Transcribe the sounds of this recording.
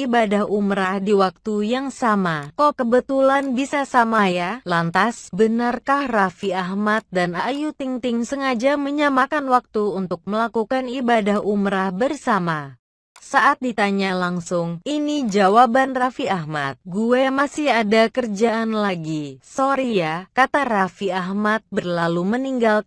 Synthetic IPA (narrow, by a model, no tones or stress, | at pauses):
ibadahumɾahdiwak̚t̪ujaŋsamakokəbət̪ulanbisasamajalant̪asbənarkahrafiahmat̪̚danajut̪iŋt̪ɪŋsəŋad͡ʒaməɲamakanwak̚t̪uunt̪ʊk̚məlakukanibadahumɾahbərsama | saʔat̪̚dit̪aɲalaŋsʊŋinid͡ʒawabanrafiahma̰t̪̚ɡuɛmasɪhadakərd͡ʒaʔanlaɡisoɾijakat̪aɾafiahmat̪̚bərlaluməniŋɡal